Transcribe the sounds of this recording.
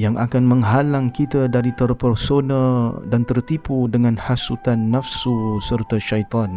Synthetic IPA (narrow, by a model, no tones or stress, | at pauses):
jaŋʔakanmə̃ŋɦalaŋkit̪adaɾit̪ərpərsonadant̪ərt̪ipudəŋãnhasut̪anːafsusərt̪aʃajt̪ɑn